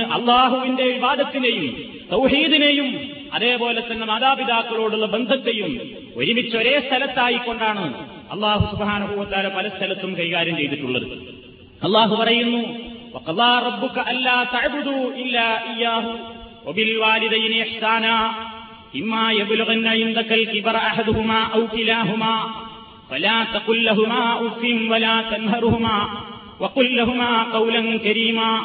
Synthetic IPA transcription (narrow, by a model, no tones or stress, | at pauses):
ʔɐ̰lˤːaːɦuʋinde̞ibaːd̪ɐt̪ːinejum | t̪ɐwħiːd̪ine̞jum | ɐ̰ðe̞ːpo̞ːle̞t̪ːɐnːe̞maːðaːpiðaːkːɐɭoːɽuɭːɐbe̞nd̪ʱɐt̪ːe̞jum | o̰ɾimit͡ɕːɐoɾe̞ːst̪ʰɐlɐt̪ːaːjikːo̞ɳɖaːɳɨ | ɐ̰lˤːaːɦusubhaːnɐɦuʋɐt̪ɐaːlɐpɐlɐst̪ʰɐlɐt̪ːumkɐɾjkaːɾɐmt͡ɕe̞jt̪iʈːuɭːɐ̰ðɨ̰ | ɐlˠˤːaːɦupɐrɐjunːuʋɐqɐðaːrɐbːukɐʔɐnlaːt̪ɐʕbud̪uːʔɪlːaːʔijːaːɦuwɐbilwaːlid̪ɐjnɪħsaːnaː | ʔɪmːaːjɐbluɣɐnːɐʕɪnd̪ɐkɐlkɪbɾɐħad̪uɦumaːʔɐwkilaːɦumaː | fɐlaːt̪ɐqʊlːɐɦumaːufinwɐlaːt̪ɐnɦɐɾuhumaː | wɐqʊlːɐɦumaːqɐwlɐnkɐɾiːmaː